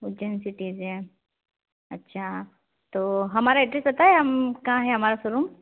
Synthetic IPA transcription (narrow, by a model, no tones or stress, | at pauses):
ud͡ʒənsiʈiːze | ɐtːɕʰa | t̪oɦɐmaɾaeʈɾesot̪aɦeɦɐmkãɦɛɦɐmaɾasoɾum